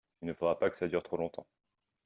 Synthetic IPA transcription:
ilnəfod̪ʁapakə̥sad̪yʁt̪χolɔ̃t̪ɑ̰̃

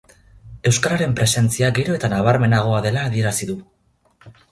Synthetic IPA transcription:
ewskaɾaɾe̞mpɾe̞se̞nt͡siaɡe̞ɾo̞e̞t̪anaβ̞aɾme̞naɣ̞o̞aðe̞laːðie̞ɾasiðu

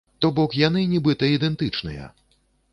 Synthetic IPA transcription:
t̪ɔbɔkjan̪ɨnʲibɨt̪ɐid̪ɛnt̪ɨt͡ʂnɨjɐ̰

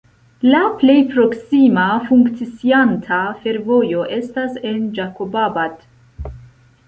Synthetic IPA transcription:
laple̞jpɾo̞ksimafuŋkt͡sit͡siantʰafe̞ɾvo̞jo̞ʔe̞stase̞nd͡ʒakobabat

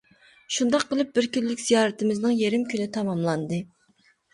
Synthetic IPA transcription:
ʃund̪ɑqʰːəlˠɨp̚bɪɾkʲylːɪkʲz̥ijɑːɾɨt̪ʰɪmɪznɨŋjeɾɪmkʲʰynɪt̪ʰɑmɑmlˠɑnd̪ɨ

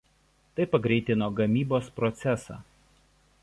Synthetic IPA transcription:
t̪ɐɪpɐɡɾʲɛɪt̪ʲɪnoːɡɐmʲiːboːspɾɔt̪sʲɛsɑ̰ː

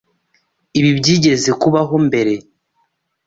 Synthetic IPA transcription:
iβibɟiːɟe̞ze̞kuβaɦo̞mbe̞ɾe̞

